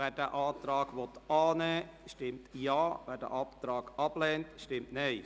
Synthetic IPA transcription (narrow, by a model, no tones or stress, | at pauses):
ɛːdəʔɑːt̪ɾɑːɡʋɔt̪ɑːnɛːʃtɪmtjɑːʋɛːdə̰ʔɑpt̪ɾɑːɡɑb̥lɛːntʃtɪmtneɪ